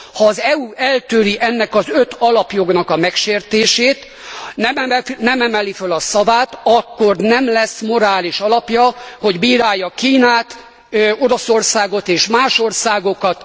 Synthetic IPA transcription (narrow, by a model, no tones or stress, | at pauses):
hɒːzɛuɛlt̪øːɾiʔɛnːɛkɒzøt̪ɒlɒpjo̞ɡnɒkɒmɛkʃeːrt̪eːʃeːt̪ | nɛmɛnɛmɛmɛlifølɒsɒvaːt̪ɒkːo̞rnɛmlɛsmo̞ɾaːliʃɒlɒpjɒho̞ɟbiːɾaːjːɒkiːnaːt̪ | o̞ɾo̞so̞rsaːɡo̞t̪eːʃmaːʃo̞rsaːɡo̞kɒt̪